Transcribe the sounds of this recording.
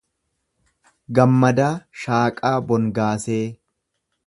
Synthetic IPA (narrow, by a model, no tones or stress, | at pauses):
ɡɐmːɐd̪aːʃaːkʼaːbɔŋɡaːseː